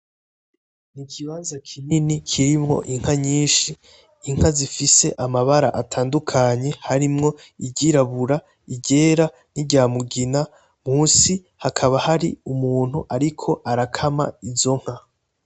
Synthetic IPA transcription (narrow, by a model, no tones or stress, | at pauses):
nikʰiβaːnzakʰininikʰiɾimŋo̞̰ʔiŋ̥haɲiːnʃi | iŋ̥hazifise̞̰ʔamaβaɾa̰ʔatʰaːndukʰaɲe̞haɾimŋo̞ | iɟiɾaβuɾa | iɟe̞ːɾa | n̥iɟaːmuɡina | muːsi | hakʰaβahaɾḭumuːn̥huʔaɾikʰo̞ʔaɾakʰama̰izo̞ŋ̥ha